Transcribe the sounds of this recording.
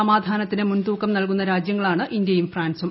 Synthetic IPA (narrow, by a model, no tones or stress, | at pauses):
ɐmaːd̪ʱaːnɐt̪ːinɨmunt̪uːkːɐmnɐlk̬unːɐɾaːd͡ʑjɐŋːɐɭaːɳɨʔind̪jɐjumfraːnsum